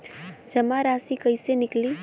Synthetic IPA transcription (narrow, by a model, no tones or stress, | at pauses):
d͡ʒəmaɾasikəjsenikli